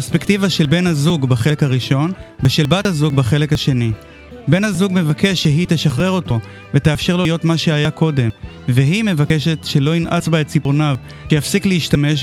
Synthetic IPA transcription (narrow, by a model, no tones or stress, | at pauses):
pespektivaʃe̞lbe̞nhazuɡbeχe̞lekhaʁiʃo̞nveʃelbathazuɡ̚beχe̞lekhaʃe̞ni | be̞nhazuɡme̞vake̞ʃːeɦiteʃaχʁe̞ʁo̞to̞ | veteafʃe̞ʁlojo̞tmaʃeajako̞de̞m | veɦime̞vakeʃe̞tʃe̞lo̞inʔa̰t͡sbaett͡siponav | kejafsikleiʃtame̞ʃ